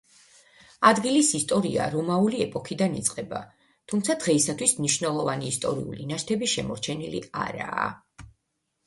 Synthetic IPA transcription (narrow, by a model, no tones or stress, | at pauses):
ad̪ɡilisist̪ʼɔɾia̰ɾɔmauliɛpʼɔkʰid̪anit̪sʼqʼɛba̰ | t̪ʰumt̪sʰad̪̥ʁɛisat̪ʰwismniʃvnɛlˠɔvaniːst̪ʼɔ̰ɾḭṵlinaʃt̪ʰɛbiʃɛmɔɾt͡ʃʰɛnilḭa̰ɾa̰ː